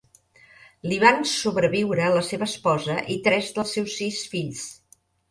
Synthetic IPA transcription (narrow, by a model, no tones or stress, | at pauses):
liβansuβɾəβiwɾələseβəːspɔzəʔit̪ɾɛzðəlˠsɛwsːisfiʎs